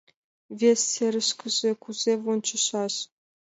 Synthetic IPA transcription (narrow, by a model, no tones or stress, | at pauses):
vʲesːʲerʲɘ̆ʃkə̆zekuzʲevont͡ɕə̆ʃɑɕ